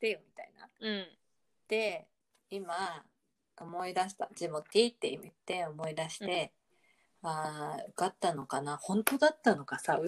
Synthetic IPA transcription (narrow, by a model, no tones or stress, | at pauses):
t̪ejomʲit̪aina̰ɯ̟̃ɴ | d̪̥e̞ | ima | omo̞id̪aɕi̥t̪ad͡ʑimokʲːiːt̪ːeimit̪ːe̞o̞mo̞id̪aɕi̥t̪e̞ | aːɯ̟kat̪ːano̞kanahõ̞nt̪o̞d̪at̪ːano̞kasa